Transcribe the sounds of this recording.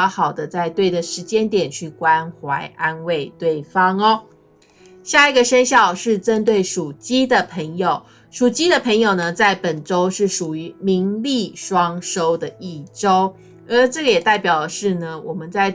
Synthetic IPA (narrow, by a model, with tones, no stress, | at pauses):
xɑ˨˩ʊd̪ə˦t͡sa˥˧ɪt̪we˥˩ɪd̪ə˩ʂɻ̩˧˥t͡ɕjɛ˥nt̪jɛ˨˩nt͡ɕʰy˥˩kwa˦nxwa˧˥ɪʔa˦nwe˥˩ɪt̪we˥˩ɪfɑ˥ŋɔ˦ | ɕja˥˩i˧˥ɡə˨ʂə˥nɕjɑ˥˧ʊʂɻ̩˥˩ʈ͡ʂə˥nt̪̬we˥˩ɪʂu˨˩t͡ɕi˥d̪ə˨pʰə˧˥ŋjo˨˩ʊ | ʂu˨˩t͡ɕi˥d̪ə˨pʰə˧˥ŋjo˨˩ʊnə˩t͡sa˥˩ɪpə˨˩nʈ͡ʂo˥ʊʂɻ̩˥˩ʂu˨˩y˧˥˦mi˧˥ŋli˥˨˩ʂwɑ˥ŋʂo˥ʊd̪ə˨i˥˩ʈ͡ʂo˥ʊ | ə˧˥ʈ͡ʂɤ˥˩ɡə˩jɛ˨˩t̪a˥˩ɪpjɑ˨˩ʊə˩ʂɻ̩˥˩nə˩wɔ˨˩mə˦nt͡sa˥˩ɪ